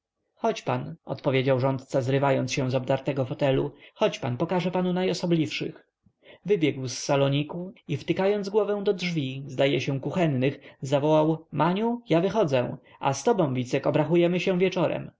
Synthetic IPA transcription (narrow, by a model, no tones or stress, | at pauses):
xɔt͡ɕpanʔɔ̰t̪pɔvʲjed͡ʑawʐɔnt̪̚t̪sazɾɘvajɔnt̪sɕɛ̃w̃zɔbd̪aɾt̪ɛɡɔfɔt̪ɛlṵxɔt͡ɕpanpɔkaʐɛpanunajɔsɔblʲifʂɘ̰x | vɘbʲjɛɡwsːalɔɲikuift̪ɘkajɔnd̪zɡwɔvɛ̃w̃d̪ɔdʐvʲizd̪ajɛɕɛw̃kuxɛnːɘxzavɔwawmʔaɲujavɘxɔd̪zɛ | ʔa̰st̪ɔbɔ̃w̃vʲit̪sɛkɔbɾaxujɛmɘɕɛ̃vʲjɛt͡ʂɔɾɛ̰m